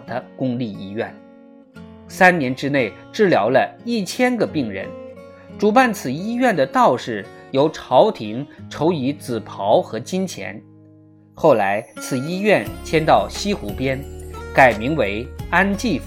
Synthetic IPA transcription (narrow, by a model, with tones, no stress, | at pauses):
d̪̥ə˦kʊ˥ŋli˥˩i˥ɥɛ̰˥˩n | sa˥nnjɛ˧˥nʈ͡ʂɻ̩˥ne˥˩ɪʈ͡ʂɻ̩˥˩ljɑ˧˥ʊlə˧i˥˩t͡ɕʰjɛ˥nɡə˨pi˥˩ŋɻə̰˧˥n | ʈ͡ʂu˨˩pa˥˩nt͡sʰɹ̩˨˩i˥ɥɛ˥˩nd̪ə˩t̪ɑ˥˧ʊʂɻ̩˥˩jo˧˥ʊʈ͡ʂʰɑ˧˥ʊt̪ʰi˧˥ŋʈ͡ʂʰo˧˥ʊi˧˥t͡sɹ̩˨˩pʰɑ˧˥ʊxɤ˧˥t͡ɕi˥nt͡ɕʰjɛ̰˧˥n | xo˥˩ʊla˧˥ɪt͡sʰɹ̩˨˩i˥ɥɛ˥˩nt͡ɕʰjɛ˥nt̪ɑ˥˩ʊɕi˥xṵ˧˥pjɛ˥nka˨˩ɪmi˧˥ŋwe˧˥ɪa˥nt͡ɕi˥˩f